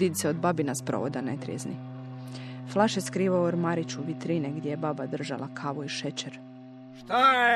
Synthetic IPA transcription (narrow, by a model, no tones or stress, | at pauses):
iseod̪babinaspɾo̰o̰d̪anḛt̪ɾijeznḭ | flˠaʃjeskɾiːʋaooɾmaɾit͡ɕuʋit̪ɾineɡd̪ʲjejebabad̪r̩ʒa̰lakʰaʋuiʃet͡ɕeɾ